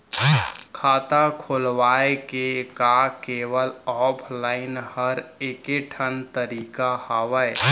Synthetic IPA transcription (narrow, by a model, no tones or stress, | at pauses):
kʰaːt̪akʰoːlʋaːekekakeːʋəlɔːpʰlaːɪnhəɾeːkeʈʰənt̪əɾiːkahaːʋəe